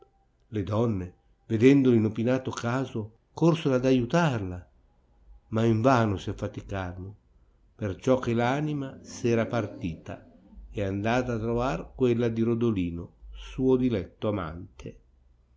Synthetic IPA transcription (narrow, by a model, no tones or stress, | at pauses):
led̪ɔnːe | ved̪ɛnd̪olinopinaːt̪okaːzo | korsoɾad̪ajut̪arla | maiɱvaːnosiafːat̪ikarlʊ | pert͡ʃɔkːelaːnimasɛːɾapart̪iːt̪a̰ɛand̪aːt̪aːt̪ːɾovarkwelːad̪iɾod̪oliːnosuːod̪ilɛt̪ːoama̰nt̪ʰe